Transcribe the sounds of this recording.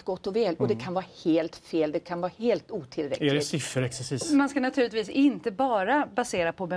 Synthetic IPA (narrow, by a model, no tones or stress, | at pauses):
t̪ɡɔt̪ːɔvɛːlɔd̪ɛkʰanvɑːɾheːlt̪feːld̪ɛkʰanvɑːheːlt̪uːt̪ʰɪlɾɛ̰klɛɪsɪfːəɾɛksɛsiːsmanskanat̪ʰʉːɭɪt̪viːsɪnt̪əbɑːɾabaseːɾapʰɔbɛ